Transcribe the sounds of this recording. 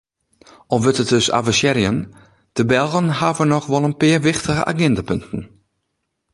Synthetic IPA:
ʔɔfʋøtət̚døsa̰vəsjɛɾjən | d̥əbɛlˠɣənhavənɔxʋɔlˠənpɪːəʋɪxtəɣə̰ʔa̰ɡɛndapøntən̩

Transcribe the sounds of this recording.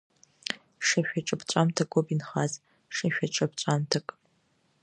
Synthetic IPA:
ʂɐʃᶣʷat͡ʃʼɐpt͡ɕʷʼamtʰɐkʷʼopinχaːz | ʂɐʃᶣɐt͡ʃʼɐpt͡ɕʷʼamtʰɐkʼ

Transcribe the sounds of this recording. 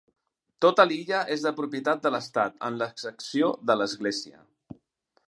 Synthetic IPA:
t̪ot̪əliʎəʔezðəpɾupjət̪at̪̚d̪ələst̪at̪ə̰nləksəksioðələzɣleziə̰

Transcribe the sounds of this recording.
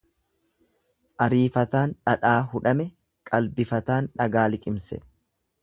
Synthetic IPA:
ʔɐɾiːfɐt̪aːnᶑɐᶑaːɦʊᶑɐmɛ | kʼɐlbɪfɐt̪aːnᶑɐɡaːlɪkʼɪmsɛ̰

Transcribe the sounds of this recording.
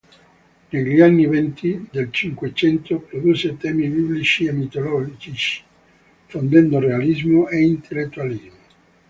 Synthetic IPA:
neʎianːivɛnt̪ʰid̪elt͡ʃiŋkwet͡ʃɛnt̪ʰopɾod̪uːset̪ɛːmibiblit͡ʃiemːit̪olɔld͡ʒit͡ʃ | fond̪ɛnd̪orealizmoʔeint̪ʰelːet̪ːualizmo

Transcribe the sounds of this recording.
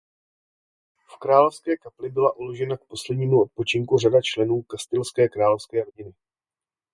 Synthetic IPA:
fkɾaːlofskɛːkaplɪbɪlaʔulo̞ʒɛnak̚po̞slɛdɲiːmuo̞t̪̚po̞t͡ʃɪŋkuradat͡ʃlɛnuːkast̪ɪlskɛːkɾaːlofskɛːɾo̞ɟɪnɪ

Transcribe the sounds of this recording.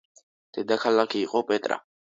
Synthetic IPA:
d̪̥ɛd̪akʰalakʰiːqʼɔpʼɛt̪ʼɾa̰

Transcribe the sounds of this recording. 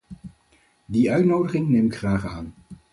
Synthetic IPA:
diœɥtnowdəχɪŋnejmɪkχraːχaːn

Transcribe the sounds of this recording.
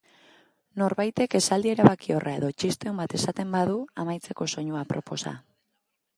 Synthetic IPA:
no̞ɾβajt̪e̞ke̞sald̪ie̞ɾaβakio̞rʔae̞ðo̞t͡ʃist̪e̞umbat̪e̞sat̪e̞mbaðuamajt͡se̞ko̞so̞ɲuapɾo̞po̞sa̰

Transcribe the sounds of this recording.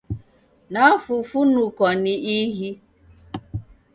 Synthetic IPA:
nafʊfunukɔnɪiɦi

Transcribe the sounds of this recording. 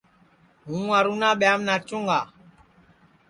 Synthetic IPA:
ɦũwaɾunaɓɛamnat͡ʃuŋɡa

